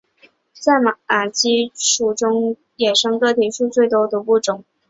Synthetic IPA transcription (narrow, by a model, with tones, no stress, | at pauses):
t͡sa˥˩ɪma˨˩a˨˩t͡ɕi˥ʂu˨˩ʈ͡ʂʊ˥ŋ | jɛ˨˩ʂɤ˥ŋkɤ˥˩t̪ʰi˨˥ʂu˥˧t͡swe˥˩ɪt̪wɔ˥d̪ə˨pu˥˩ʈ͡ʂʊ˨˩˦ŋ